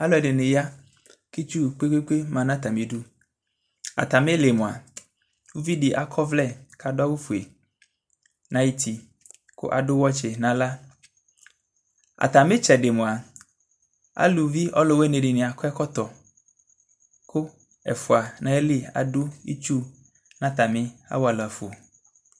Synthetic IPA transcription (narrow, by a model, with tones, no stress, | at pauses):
a˦lɔ˦ɛ˨dɪ˨nɪ˨ja˦ | ki˦t͡ʃu˦k͡pe˦ke˦k͡pe˦mã˨nã˦t̪a˨mĩ˨du˦ | a̰˨t̪a˨me˦le˨mõ˨a̰˨ | wu˦vi˦dɪ˨ʔa˨kʰɔ˦vlɛ˦˨ka˨dɔ˦wu˦fu˨e˨ | nã˦ji˦t̪i˨ | kʊ̰˦ʔa̰˨ɖʊ˦wɔ˦t͡ʃe˨nã˨la˦ | a̰˨t̪a˨mɪ̃˦t͡ʃɛ˨dɪ˨mʊ̃˨a˨ | a̰˦lu˨vi˦ʔɔ˦lo˨we˦ne˨ɖɪ˨nɪ̃˨a˨kɔ˦ɛ˦kɔ˦t̪ɔ˨ | kʊ˦ | ɛ̰˨fʊ˨a˨nã˨e˦li˦a̰˨dʊ˦ḭ˦t͡ʃu˦ | nã˦t̪a˨mɪ̃˦a̰˦wɔ˨˦a˨la˨fo˨